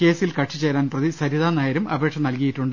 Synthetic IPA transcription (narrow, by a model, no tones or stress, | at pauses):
ke̞ːsilkɐʈʂit͡ɕːe̞ːɾaːnprɐðisɐɾiðaːnaːjɐɾumɐbʱe̞ːkʂɐmnɐlkɐjiʈːuɳɖ